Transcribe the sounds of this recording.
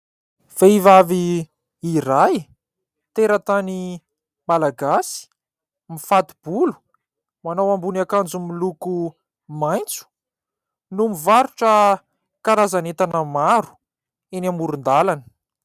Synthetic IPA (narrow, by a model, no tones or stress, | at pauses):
v̥eivaviː | raj | t̪eɾət̪ani | malaɡasi̥ | mifat̪ib̥ulu̥ | manawambunakand͡zumiluku | majnt͡su̥ | numivaɾuʈ͡ʂə | kaɾazanet̪anəmaɾu̥ | enamuɾund̪alanə̥